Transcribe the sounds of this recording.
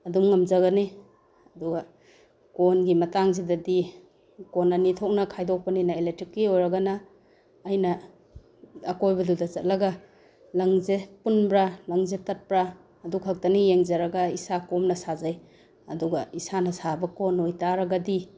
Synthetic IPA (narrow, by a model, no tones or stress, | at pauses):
ɐdumŋɐmzaɣani | ɐduɡɐ | konɡimɐtaŋzedɐdi | kɔnanitʰɔk̚nɐkʰajdɔk̚pɐninaelek̚tɾikːiojɾɐɡanaː | jnɐ | ɐkojbɐdudɐt͡ʃɐt̚lɐɡa | lɐŋzepunbɾalɐŋzetɐt̚pɾaː | dukʰak̚tɐnijeŋzaɾɐɡaisakɔmnɐsazaj | ɐduɡɐisanɐsabɐkonojtaɾɐɡadi